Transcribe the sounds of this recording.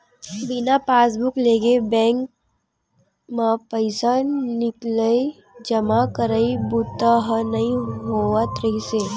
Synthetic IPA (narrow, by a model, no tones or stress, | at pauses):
bɪnapaːs̬bʊkleːɡebɛ̃ːŋk | mãpəɪsannɪkləi | d͡ʒəmakəɾəibʊt̪aɦənɐɦĩɦoːʋat̪ɾəɦiseː